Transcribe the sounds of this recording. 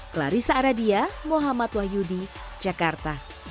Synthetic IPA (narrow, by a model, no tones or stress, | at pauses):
kla̰ɾisaːɾadiamoɦamat̪wahjudi | d͡ʒakart̪a